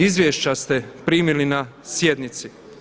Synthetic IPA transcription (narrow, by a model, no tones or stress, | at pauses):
izʋʲjeʃt͡ɕast̪e̞pɾiːmilinasje̞d̪nit̪si